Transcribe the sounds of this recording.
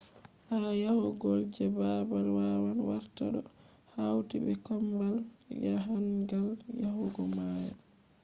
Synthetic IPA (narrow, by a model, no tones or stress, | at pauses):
hajahuɡɔld͡ʒɛbabalwawanwaɾtaɗɔ | hawtibɛkɔmbal | ɡa̰ɦanɡaljahuɡɔmaːjɛ